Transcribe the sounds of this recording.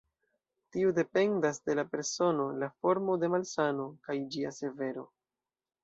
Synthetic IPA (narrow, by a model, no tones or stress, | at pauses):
tiude̞pe̞ndasde̞lape̞ɾso̞no̞lafo̞ɾmo̞de̞malsano̞kajd͡ʒiase̞ve̞ɾo̞